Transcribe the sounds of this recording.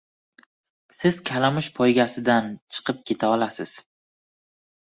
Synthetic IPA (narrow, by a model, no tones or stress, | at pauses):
sɪz̥kʲʰalamʊʃpʰɒjɡʲasɪd̪ant͡ʃʰɨ̥qʰɨp̚kʲʰe̞t̪ʰaɒlasɪz̥